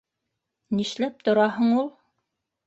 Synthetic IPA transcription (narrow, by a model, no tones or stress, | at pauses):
niʃlæp̚t̪ŏɾɑɦɤɴulˠ